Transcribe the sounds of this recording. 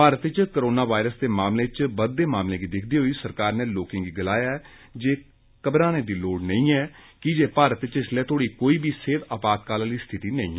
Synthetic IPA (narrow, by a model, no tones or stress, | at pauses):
paːɾət̪ɪt͡ʃkəɾoːnaːʋaːɪɾəsd̪eːmaːmleːɪt͡ʃbəd̪ːeːmaːmleːɡiːd̪ɪkʰd̪iːɦoiːsəɾkaːɾneːloːkɪ̃ŋɡiːɡɪlaːjaːɛː | d͡ʒeː | kəbɾãːneːd̪iːloːɖnəĩːɛːkɪd͡ʒeːpaːɾət̪ɪt͡ʃɪslɛːt̪ʰoːɽiːkoːiːbiːseːt̪aːpaːt̪kaːlaːliːst̪ʰɪt̪iːnəĩː